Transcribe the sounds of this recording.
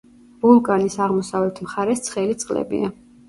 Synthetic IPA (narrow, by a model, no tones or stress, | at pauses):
bulˠkʼanisaʁmɔsavlɛt̪ʰmχaɾɛst̪sʰχɛlit̪sʼqʼlɛ̰bḭa